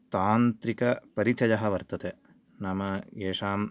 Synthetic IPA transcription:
t̪aːnt̪ɾikɐpɐɾit͡ʃɐjɐɦɐʋɐɾt̪ɐt̪e | nɐmɐeːʂaːm

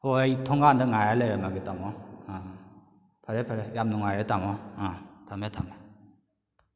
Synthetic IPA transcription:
hoejtʰɔŋɡandɯŋaɾalajɾamaɡitamɔã | pʰaɾepʰəɾejamnuŋaɾɛtamɔãtʰametʰame

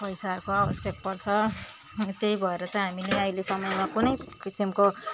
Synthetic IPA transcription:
pʌjsarkoabʌsjʌk̚pʌrt͡sʰʌ | t̪ejbʱʌeɾʌt͡sʌ̃ĩɦamileʌjlesʌmʌjmakunʌjpisimko

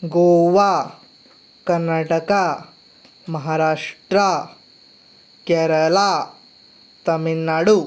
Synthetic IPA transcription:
ɡoʋa | kɐɾnaʈəka | mɐɦaɾaʂʈɾa | kɛɾɐla | t̪ɐminːaɽu

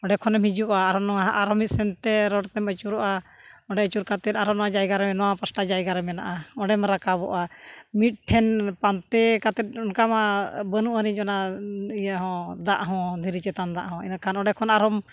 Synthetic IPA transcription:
ɔɖɛkʰɔnɛmhid͡ʒuʔaːɾɔnɔaɦʔaɾɔmit̪̚sɛnt̪ɛɾɔɽt̪ɛmət͡ʃuɾɔʔa | ɔ̃ɖɛət͡ʃuɾkat̪ɛt̪̚ˀaɾɔnɔwad͡ʒajɡaɾɛmɛnɔwapəsʈad͡ʒajɡaɾɛmɛnaʔaɔɖɛmɾakaβɔ̰ʔamit̪̚ʈʰɛnpant̪ɛkat̪ɛt̪̚ɔnkamabənuʔəɾid͡ʒɔnaijaɦɔ̃d̪aʔɦɔ̃d̪ʱiɾit͡ʃɛt̪and̪a̰ʔɦɔ̃ḭnakʰanɔɖɛkʰɔnaɾɔm

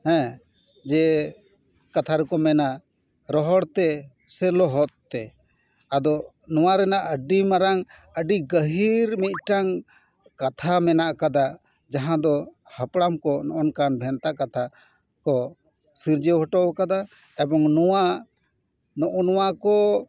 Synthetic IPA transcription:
hɛ̃ | d͡ʒɛ | kat̪ʰaɾɛkɔmɛnaʔ | ɾɔɦɔɽt̪ɛ | sɛlɔɦɔt̪̚t̪ːɛ | ad̪ɔ | nɔwaɾɛnaʔəɖimaɾaŋ | əɖiɡəɦiɾmit̪̚ˀʈaŋ | kat̪ʰamɛnaʔkad̪a | d͡ʒaɦãd̪ɔ | hapɽamkɔnɔʔɔnkanbʱɛnt̪aʔkat̪ʰa | kɔ | siɾd͡ʒɔɦɔʈɔwkad̪a | ɛbɔŋnɔwa | nɔʔɔnɔwakɔ

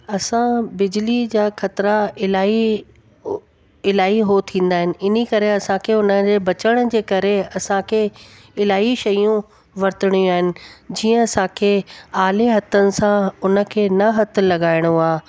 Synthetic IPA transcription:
ɐsãbɪd͡ʑɪlid͡ʑaːxɐt̪ɪɾaɪlaːi | ɪlaːiɦot̪ʰĩːn̆d̪aːɦɪnɪ̆ɪnikɐɾeɐsãkʰeːʊnəd͡ʑeːbɐt͡ɕəɽ̃̆d͡ʑeːkɐɾeɐsãkʰeː | ɪlaːiʃɐjũ | ʋɐɾt̪ɪɽ̃jũaːɦɪnɪ̆d͡ʑiːə̃ɐsãkʰeːaːleɦɐt̪ʰənɪ̆sãʊnə̆kʰeːnɐɦɐt̪ʰʊ̆lɐɡaːɪɽ̃uaː

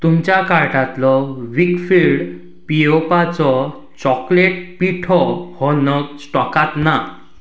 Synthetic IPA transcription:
t̪umt͡ɕjakaɾʈat̪lɔʋikfiɭɖ | piopat͡sɔ | t͡ɕɔkleʈpiʈʰɔhɔnəksʈɔkat̪na

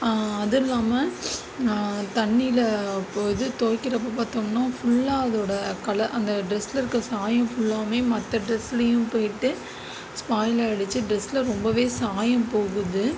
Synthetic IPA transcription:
ɐðɪlːaːmɐ | t̪ɐɳːɪjlɐpoːjðɯt̪oːkːɪɾɐp̬ːoːpaːɾt̪omnaːfʊɭːaːɐðoːɽɐkɐɭɐʔɐnd̪ɐɖɾɛsːlɐɪɾɯkːɾɐsaːjɐ̃fʊɭːaːmeːmɐt̪ːɐɖɾɛsɪlɐjʊ̃mpoːjʈːɯ | spaːjlɐɐɽɯt͡ʃːɯɖɾɛslɐɾɔmbɐʋeːsaːjɐ̃mpoːɣɯðɯ

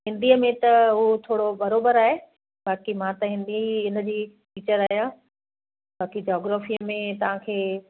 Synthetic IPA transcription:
ɦɪ̃nd̪iəmẽt̪ɐɦut̪ʰoːɽobɐɾoːbəɾaːɦe | baːkimãt̪ɐɦɪ̃nd̪iiɪnə̆d͡ʑiː | fiːt͡ɕəɾaːɦijãː | baːkid͡ʑɔːɡɾaːfiːəmẽt̪ɐʋ̤ãkʰeː

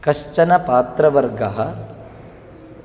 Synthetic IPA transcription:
kɐʃt͡ʃɐnɐpaːt̪ɾɐʋɐɾɡɐɦɐ

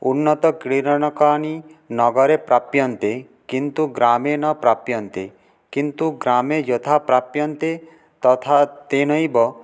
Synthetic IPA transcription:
unːɔt̪ɔkɾiɾɔñɔkaninɔɡɔɾepɾapjɔnt̪e | kint̪uɡɾamenɔpɾapjɔnt̪e | kint̪uɡɾamed͡ʒɔt̪ʰapɾapjɔnt̪e | t̪ɔt̪ʰat̪enɔjbɔ

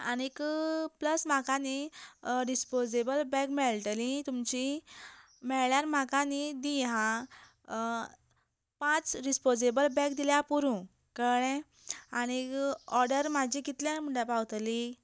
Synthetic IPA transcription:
añikpləsm̤akaniɾispod͡zebəlbɛ̃kmɛɭʈlĩt̪umt͡ɕi | mɛɭɭjaɾm̤akanid̪iɦã | pãt͡sɾispod͡zebəlbɛ̃kd̪iljapuɾũ | kəɽɛ̃ | añiɔɾɖəɾmad͡ʑikit̪ljãm̤uɳɖjapawt̪li

